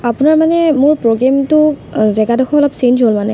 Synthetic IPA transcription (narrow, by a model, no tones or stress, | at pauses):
apʊnaɹmanɛmʊɹpɹoɡamtʊzɛɡadɔxʰɔɔlɔpsensɦolmanɛ